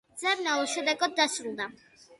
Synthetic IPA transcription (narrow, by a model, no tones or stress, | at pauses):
d̪zɛbnalˠuʃɛd̪ɛɡɔd̪ːasɾulˠd̪a